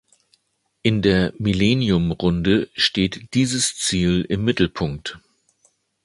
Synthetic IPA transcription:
ʔɪndeːɐmilɛnjʊmʁʊndəʃteːtd̥iːzəst͡siːlɪmːɪtl̩pʰʊŋk̚t

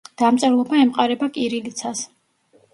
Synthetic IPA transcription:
d̪̥amt̪sʼɛɾlˠɔbaɛmqʼaɾɛbakʼiɾilit̪sʰas

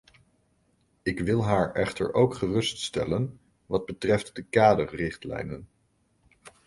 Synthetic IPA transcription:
ɪkʋɪlˠɦaːɹɛχtə̰ɹʔowkχərɵststɛlən | ʋɑd̚bətrɛftdəkaːdərːɪχtlɛ̰jnən

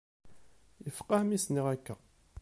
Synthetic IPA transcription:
jəfqːɑhmisniʁækːæ

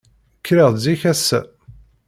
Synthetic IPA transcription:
kːɾiʁˤziçæsːæ̰

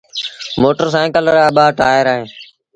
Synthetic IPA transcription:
moːʈəɾs̬ãkələɾaːɓaːʈaːjəɾaːɦẽː

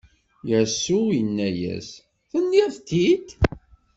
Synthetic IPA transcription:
jəsːujənːæjæ̰s | θənːiɾθt̪ːid̪

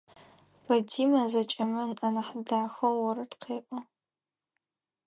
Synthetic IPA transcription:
bɐdiːmɐzɐt͡ʃʼɐmɨnʔɐnaħdaːxɐwɐɾɨtqʰeːʔʷʼɔ

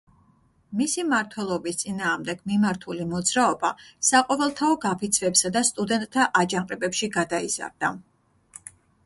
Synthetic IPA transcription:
misimaɾt̪ʰwɛlˠɔbist̪sʼinaːʁmd̪ɛɡ̥mimaɾt̪ʰulimɔd̪zɾaɔbasaqʼɔvɛlˠt̪ʰaɔɡapʰit̪sʰvɛpsad̪ast̪ʼud̪ɛnt̪ʼt̪ʰːaʔad͡ʒaŋqʼɛbɛpʃiɡad̪aiz̥a̰ɾd̪a

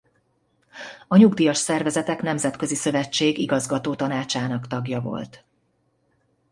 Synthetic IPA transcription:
ɒɲuɡd̪ijɒʃsɛrvɛzɛt̪ɛknɛmzɛt̪kø̞zisø̞vɛt͡ʃːeːɡiɡɒzɡɒt̪oːt̪ɒnaːt͡ʃaːnɒkt̪ɒɡjɒvo̞̰lt̪

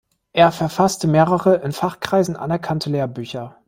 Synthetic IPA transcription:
ʔeːɐfɛɐfastəmeːʁəʁəʔɪnfaχkʁ̥aɪzn̩ʔa̰nɛɐkʰantʰəleːɐbyːçɐ

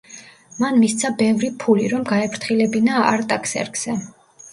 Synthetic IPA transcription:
manmist̪sʰabɛvɾipʰuliɾɔmɡaɛpʰɾt̪ʰχilɛbinaa̰ɾt̪ʼakʰsɛ̰ɾɡz̥ɛ

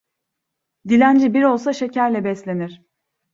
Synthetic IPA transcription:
d̪ilʲænd͡ʒibiɾo̞lˠsaʃe̞cʰæɾlʲɛbɛslʲe̞niɾ̥

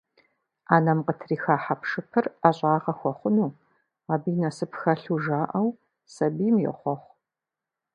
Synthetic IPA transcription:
aːnɐmqətʰriːxaːħapʂɨpʰɨraɕʼaːʁɐxʷɔχʷʊnuː | aːbiːnɐsɨpxɐɬuʒaːʔɐw | sɐbiːmjɛ̰χʷɔχʷ

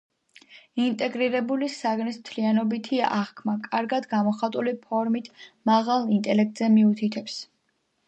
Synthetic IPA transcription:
int̪ʼɛɡɾiɾɛbulisaɡnismt̪ʰlianɔbit̪ʰiʔaʁkʰmakʼaɾɡad̪ɡamɔχat̪ʼulipʰɔɾmit̪ʰmaʁalˠint̪ʼɛlɛk̚t̪ʼzɛmiut̪ʰit̪ʰɛps

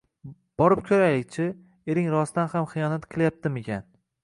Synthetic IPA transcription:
b̥ɒɾɪp̚kʲʰɵɾajlɪk̚ʲt͡ʃʰɪ | eɾɪŋɾɒsd̪anhamχɨjɒnat̪qʰɨlˠjap̚t̪ɪmekʲʰan

